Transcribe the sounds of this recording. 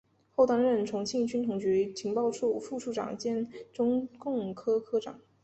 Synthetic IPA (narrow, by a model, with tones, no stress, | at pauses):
xo˥˩ʊt̪ɑ˥˧ŋɻə˥˩nʈ͡ʂʰʊ˧˥ŋt͡ɕʰi˥˧ŋt͡ɕy˥nt̪ʰʊ˨˩ŋt͡ɕy˧˥t͡ɕʰi˧˥ŋpɑ˥˧ʊʈ͡ʂʰu˥˧fu˥˧ʈ͡ʂʰu˥˩ʈ͡ʂɑ̰˨˩ŋt͡ɕjɛ˥˩nʈ͡ʂʊ˥ŋkʊ˥˩ŋkʰɤ˥kʰɤ˥ʈ͡ʂɑ̰˨˩˦ŋ